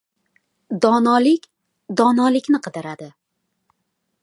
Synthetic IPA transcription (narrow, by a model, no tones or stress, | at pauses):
d̪ɒnɒlɪkʲ | d̪ɒnɒlɪkʲnɪqʰɨd̪ɪɾad̪ɪ